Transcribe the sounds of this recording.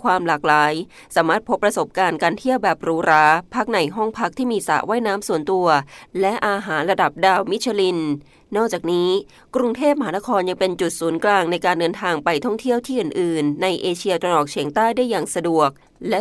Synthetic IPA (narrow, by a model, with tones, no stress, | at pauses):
kʰwaː˧mlaː˨˩k̚laː˩˦j | saː˩˦maː˥˩t̪̚pʰo˦˥pːɾa˧so˨˩p̚kaː˧nkaː˧nt̪ʰi˥˩əwbɛː˨˩p̚ɾuː˦˥ɾaː˦˥pʰa˦˥k̚na˨˩jɦɔ˥˩ŋpʰa˦˥k̚t̪ʰiː˥˩miː˧sa̰˨˩ʔwa˥˩jnaː˦˥msu˨˩˦nt̪u˧ɐlɛ˦˥ʔaː˧ɦaː˩˦nɾa˧da˨˩p̚daː˨˩wmi˦˥t͡ɕʰa˧li˧n | nɔː˥˩k̚t͡ɕaː˨˩k̚niː˦˥ | kɾu˧ŋt̪ʰeː˥˩p̚ma˧ɦaː˩˦na˦˥kʰɔː˧nja˧ŋpe˧nt͡ɕu˨˩t̪̚suː˩˦nklaː˧ŋna˧jkaː˧ndɤː˧nt̪ʰaː˧ŋpa˧jt̪ʰɔ˥˩ŋt̪ʰi˥˩əwt̪ʰiː˥˩ʔɯː˨˩nʔɯː˨˩nːa˧jʔeː˧t͡ɕʰi˧ɐt̪ɾa˧nʔɔː˨˩k̚t͡ɕʰi˩˦əŋt̪aː˥˩jda˥˩jaː˨˩ŋsa˧du˨˩ək̚ | lɛ˦˥